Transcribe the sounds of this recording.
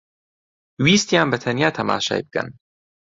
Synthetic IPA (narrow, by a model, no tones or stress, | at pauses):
wiːst̪jaːnbɐt̪ʰɐnjaːt̪ʰɐma̰ːʃa̰ːjb̚kʰɐ̰n